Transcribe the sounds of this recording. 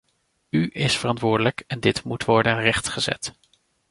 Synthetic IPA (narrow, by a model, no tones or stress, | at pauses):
yʔɪsfərɑntʋʊːɹdələkɛndɪtmutʋɔɹdənrɛχtχəzɛ̰t